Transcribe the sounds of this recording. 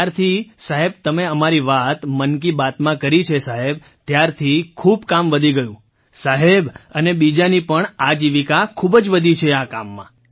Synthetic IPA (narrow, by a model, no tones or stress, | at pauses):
aɾt̪ʰisaɦeb̚t̪əmeəmaɾiʋat̪mənkibat̪mãkəɾit͡ʃʰesaɦeb̚ | t̪jaɾt̪ʰikʰubkamʋəd̪ʱiɡəjũ | saɦebənebid͡ʒanipəɳad͡ʒiʋikakʰubd͡ʒʋəd̪ʱit͡ʃʰeaka̰mːã̰